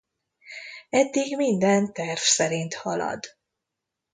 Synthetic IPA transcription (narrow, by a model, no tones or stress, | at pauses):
ɛd̪ːiɡmind̪ɛnt̪ɛrvsɛɾint̪hɒlɒ̰d̪